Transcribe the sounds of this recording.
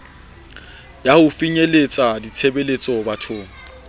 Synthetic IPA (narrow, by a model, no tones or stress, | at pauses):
jahʊfiɲelet͡sʼadit͡sʰebelet͡sʼɔbatʰʊːŋ̩